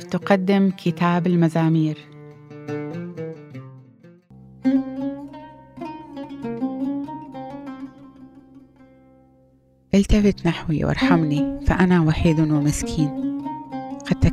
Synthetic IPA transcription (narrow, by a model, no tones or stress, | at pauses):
t̪ʊqad̪ːɪmkʰɪt̪aːbɪlmazaːmiːɾ | ʔɪlt̪afɪt̪naħwiwʔɑ̰ɾˤħamnifaʔanawaħiːd̪wɪmɪskʰiːn | qɑd̪̚t̪a